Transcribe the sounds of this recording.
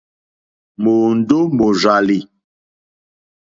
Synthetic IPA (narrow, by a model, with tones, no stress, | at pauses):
mo˨n̩˨˦do˦mo˨za˨li˨